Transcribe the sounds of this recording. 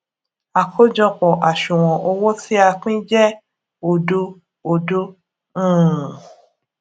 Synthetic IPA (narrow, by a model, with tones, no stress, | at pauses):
a˨kʰo˦d͡ʒɔ̃˧k͡pɔ˨ʔa˨ʃũ˨w̃ɔ̃˨ʔo˧wo˦ti˦a˧k͡pĩ˦d͡ʒɛ˦ | o˨do˧ | o˨do˦ | ũ˦˨